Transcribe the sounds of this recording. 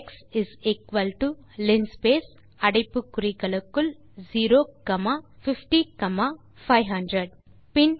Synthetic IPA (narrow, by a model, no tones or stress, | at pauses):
ksizikʋɐlʈu | linspeːs | ɐɽɐjpukuɾikɐlɐkːul | ziːɾoːkɐmafifʈikɐma | fajɦɐ̃ɳɖɾeɖ | pin